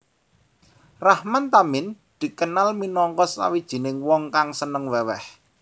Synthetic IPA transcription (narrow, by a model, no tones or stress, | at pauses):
rahmant̪amɪn | d̪̥i̤kənalminɔŋkɔsːa̰wid̥ʒ̥i̤nɪŋwɔŋkaŋsənəŋwɛwɛh